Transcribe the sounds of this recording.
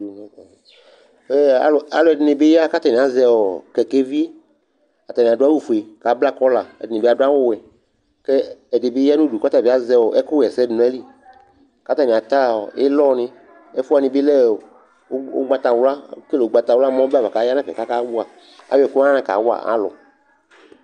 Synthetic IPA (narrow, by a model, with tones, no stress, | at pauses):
ɛ˦a̰˨la̰˦lɔ˨ɛ˨dɪ˨nɪ˨be˦ja˦ka˦t̪a˨nĩ˨a˨zɛ˧wɔ˨kɛ˨ke˦vi˦e˦ | a˨t̪a˨nĩ˨dʊ˦a˦wu˦fu˨e˨ka˨˦bla˦˨kɔ˦la˨ɛ̰˨dɪ˨nĩ˨be˦a˨dʊ˦a˦wɔ˦wɛ˨ | kɛ˦ɛ˨de˨be˦ja˦nũ˦du˨ka˦t̪a˨i˨˦a˦zɛ˦wɔ˨ʔɛ˦ku˦˨ɛ˨sɛ˦dɪ˨nũ˨˦ɛ˦li˦ | ka˦t̪a˦˨ni˨a˨t̪a˦˨ɔ̰˨e˦lɔ˦nɪ̃˦ | ɛ˦fa˨nĩ˧˨bɪ˦lɛ˦˨˦ | ɡ͡ba˦t̪a˨wla˦ke˦le˨o˦ɡ͡ba˨t̪a˨wla˦mɔ̃˦ba˨va˨ka˨˦ja˦nã˦kɛ̰˨ka˦ka˦wu˦a˨ | a̰˨˦ɛ˨ku˦ã˦nã˦˨ka̰˨˦wo˦a̰˨ʔa̰˦lɔ̰˨